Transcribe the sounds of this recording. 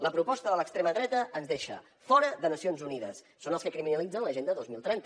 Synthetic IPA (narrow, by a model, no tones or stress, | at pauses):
ləpɾupɔst̪əðələkst̪ɾeməðɾɛt̪əʔənzðeʃə̰ | fɔɾəðənəsionzuniðə̰sːonəlˠskəkɾiminəlid͡zənləʒend̪əðozmilˠt̪ɾɛnt̪ə